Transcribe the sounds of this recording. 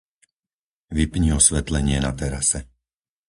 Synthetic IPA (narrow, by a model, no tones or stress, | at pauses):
ʋipɲiɔsʋɛt̪lɛɲɪɛnat̪ɛɾasɛ